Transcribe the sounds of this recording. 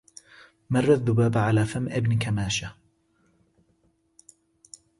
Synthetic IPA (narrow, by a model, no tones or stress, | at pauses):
mɑrˤːaðːʊbaːbʕalaːfamʔɪbnkamaːʃa